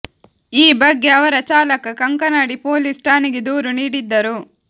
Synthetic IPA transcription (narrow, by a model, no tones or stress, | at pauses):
iːbɐɡːeɐʋɐɾɐt͡ʃaːlɐkɐkɐŋkɐnɐɽipoːlisʈaːniɡid̪uːɾuniːɽid̪ːɐɾu